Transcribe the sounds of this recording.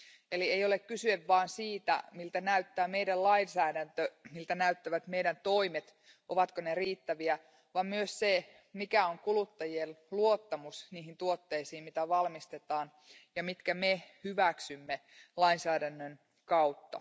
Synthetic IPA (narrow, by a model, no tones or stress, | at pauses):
eliejo̞lekkysyeʋʋɑːnsiːt̪æ̰milt̪ænæyt̪ːæːme̞jdællɑinsæːdænt̪ømilt̪ænæyt̪ːæʋæt̪me̞jɾænt̪o̞imet̪ | ʔoʋɑt̪koneriːt̪ːæʋiæ | ʋɑmmyøsse | mikæoŋkulut̪ːɑjielluot̪ːɑmusniːɦint̪uot̪ːe̞isiːmmit̪æʋɑlmist̪e̞t̪ɑːn | jɑmit̪kæmehyʋæksymːe | lɑinsæːdænːøn | kɑwt̪ːɑ̰